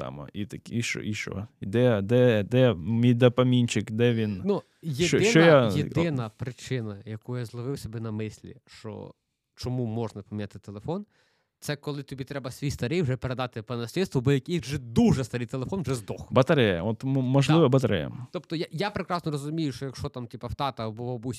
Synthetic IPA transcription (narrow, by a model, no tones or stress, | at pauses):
sɑ̰mɐ̰it̪ɐkʲiʃɔ̰iʃɔ̰id̪ɛd̪ɛd̪ɛmʲijd̪ɐpɐmʲinʲt͡ʃɪkd̪ɛʋʲinnu | jedt͡ʃɔɪnt͡ʃɔjajed̪ɪnɐpɾɪt͡ʃɪnɐjɐkujazlˠɐʋɪwsʲɔbɛnɐmɪsʲlʲḭʃt͡ʃɔ̰ | t͡ʃɔmumɔʒnɐpɐmʲinʲat̪ɪt̪elˠefɔn | t̪sɛkɔlˠɪt̪ɔbʲit̪ɾɛbɐsʲʋʲijst̪ɐɾɪjwʒɛpeɾed̪ɑt̪ɪpɐnɐsʲlʲid̪st̪ʋɔbɔjɐkʲijʲwʒɛd̪uʒɛst̪ɐɾɪjt̪elˠefɔnʋʒɛzd̪ɔxbɐt̪ɐɾɛjɐ̰ɔt̪mmɔʒlˠɪʋɐbɐt̪ɐɾʲɛ̰jɐ̰t̪ɔpt̪ɔjajapɾekɾɑsnɔɾɔzʊmʲijʊʃt͡ʃɔjɐkʃɔt̪ɑmt̪ʲipɐft̪ɑt̪ɐbɔʋɐbusʲ